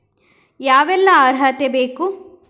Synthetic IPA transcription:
jaːʋɛlːɐaːɾɦɐt̪ebeːku

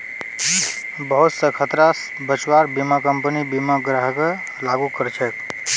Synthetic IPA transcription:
bəɦut̪səkʰət̪ɾas | bət͡ʃwaɾbimakəmpənibimaɡɾaɦke | laɡukəɾt͡ʃʰək

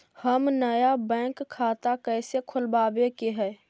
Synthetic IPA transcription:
həmnəjabɛ̃ːkʰːaːt̪akɛːsekʰʊlbaːbekeɦɛː

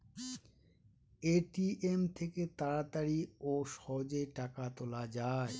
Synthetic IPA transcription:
eʈiemt̪ʰeket̪aɾat̪aɾioʃɔɦd͡ʑeʈakat̪olad͡ʑae

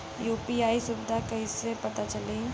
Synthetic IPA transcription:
juːpiaːisʊbɪd̪ʱakɐɦisepɐt̪at͡ʃɐlẽ

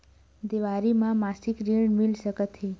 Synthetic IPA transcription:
d̪iʋaɾimãmasikɾiɽ̃milsəkət̪ɦi

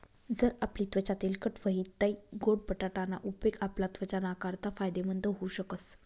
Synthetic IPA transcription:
d͡zəɾapliːt̪ʋət͡ɕat̪ilkəʈʋəɦit̪ːaiɡoɽ̚pəʈaʈana̰ʔupekaplat̪ʋət͡ɕanakaɾt̪afajd̪emənd̪əɦouɕəkəs

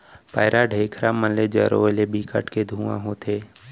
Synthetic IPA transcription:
paːɪɾʔaɖʱeːkʰɾamənled͡ʒəɾo̰lebiːkʰə̰ʈked̪ʱũːã̰ɦot̪ʰeː

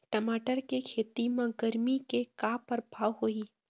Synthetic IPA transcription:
ʈɐmaːʈəɾkekʰeːt̪imãɡɐɾmikekaːpɐɾbʱaːʋɦoiː

